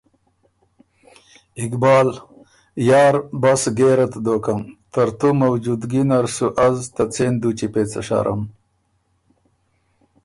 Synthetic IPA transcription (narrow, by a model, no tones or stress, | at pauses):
ikbɑːl | jaːɾbasɡeːɾɐt̪d̪oːkɐmt̪ɐɾt̪umɐwd͡ʒud̪ɡinɐɾsuʔɐzt̪ɐt͡seːnd̪ut͡ɕipeːt͡sɐ̰ʂa̰ɾʔɐ̰m